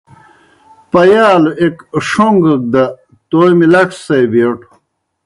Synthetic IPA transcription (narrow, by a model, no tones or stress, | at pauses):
pɐjaːluekʂoŋɡək̚d̪ɐ | t̪ojmilɐʈ͡ʂʰsɐjbeːʈu̥